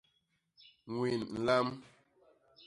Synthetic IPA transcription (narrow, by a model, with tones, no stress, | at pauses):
ŋwi˨nn̩˨la˦m